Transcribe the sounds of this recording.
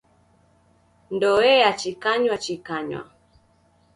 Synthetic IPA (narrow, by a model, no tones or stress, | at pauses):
ndɔɛat͡ʃikaɲwat͡ʃikaɲwa̰